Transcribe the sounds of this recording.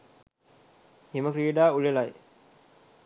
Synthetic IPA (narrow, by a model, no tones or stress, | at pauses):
heməkɾiəɖaːulelaj